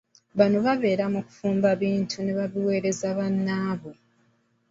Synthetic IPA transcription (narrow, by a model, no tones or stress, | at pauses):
βanoβaβe̞ːɾamuku̥fuːmbaβiːntʰune̞βaβiwe̞ːɾe̞zaβanːaːβo